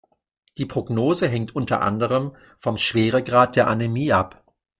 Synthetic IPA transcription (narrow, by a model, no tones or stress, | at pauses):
d̥iːpʁ̥oɡnoːzəɦɛŋtʔʊntɐ̰ʔa̰ndəʁəm | fɔmʃv̥eːʁəɡʁaːt̚d̥eːɐʔanemiːʔap